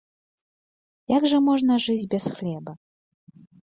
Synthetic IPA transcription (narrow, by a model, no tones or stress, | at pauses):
jaɡʐɐmɔʐnɐʐɨd͡zʲbʲɛsxlʲɛbɐ